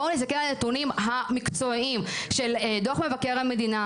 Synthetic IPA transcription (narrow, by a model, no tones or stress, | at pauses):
olesakeʁlenet̪unimɦamikt͡so̞imʃe̞ledoaχme̞vake̞ʁamed̪ina